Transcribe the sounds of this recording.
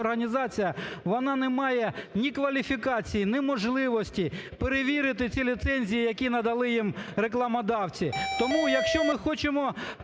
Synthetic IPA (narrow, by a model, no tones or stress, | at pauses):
ɔrɦɐnʲizɑt͡sʲijɐʋɔnɑnɛmɑjɛnʲikʋɐlʲifʲikɑt͡sʲijinɪmɔʒlˠɪʋɔsʲtʲipeɾeʋʲiɾɪt̪ɪt͡sʲilʲit̪sɛnʲzʲijijɐkʲinɐd̪ɐlˠɪjimɾeklˠɐmɐd̪ɑwt͡sʲit̪ɔmujɐkʃt͡ʃɔmɪxɔt͡ʃɪmɔ